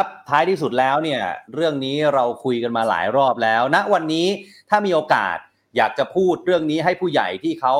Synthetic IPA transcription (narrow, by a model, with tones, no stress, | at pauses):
a˦˥p̚t̪ʰːaː˦˥jt̪ʰiː˥˩su˨˩t̪̚lɛː˦˥wni˥˩əɾɯ˥˩əŋniː˦˥ɾa˧wkʰu˧jka˧nmaː˧la̰ː˩˦jɾɔː˥˩p̚lɛː˦˥wna˦˥ʔwa˧nːiː˦˥t̪ʰaː˥˩miː˧ʔoː˧ka̰ː˨˩t̪̚ | jaː˨˩k̚t͡ɕa˨˩pʰuː˥˩t̪̚ɾɯ˥˩əŋniː˦˥ɦa˥˩jpʰuː˥˩ja̰˨˩jt̪ʰiː˥˩kʰa˦˥w